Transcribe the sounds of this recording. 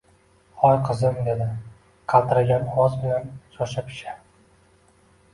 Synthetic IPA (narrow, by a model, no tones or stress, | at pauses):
hɒjqʰɨzɪmd̪e̞d̪ɪ | qʰɑlˠt̪ʰɪɾaɡʲanɒzbɪlanʃɒʃapʰɪ̥ʃa